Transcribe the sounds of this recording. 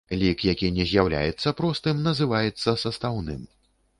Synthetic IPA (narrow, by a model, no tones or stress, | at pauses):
lʲikjakʲinʲɛzʲjawlʲa̰jɛt̪sːɐpɾɔst̪ɨmnɐzɨvajɛt̪sːɐsɐst̪awnɨ̰m